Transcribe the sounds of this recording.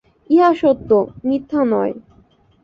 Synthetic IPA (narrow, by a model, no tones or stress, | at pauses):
iɦaʃot̪ːonit̪ʰːanɔe